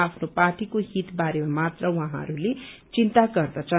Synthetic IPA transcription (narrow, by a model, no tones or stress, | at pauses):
apʰnoparʈikoɦit̪baɾemamat̪rʌwʌɦãʌ̰ɾulet͡sint̪aɡʌrd̪at͡sʌ